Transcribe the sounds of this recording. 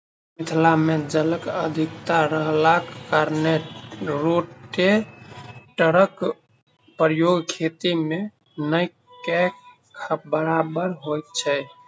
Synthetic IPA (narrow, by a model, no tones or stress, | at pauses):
mit̪ʰlamed͡ʒələkəd̪ʱikt̪aɾəɦlakːəɾneɾoʈe | ʈəɾək | pɾjoɡkʰet̪ime | nəj | kek | kʰəbəɾabəɾɦojt̪̚t͡ʃʰɛ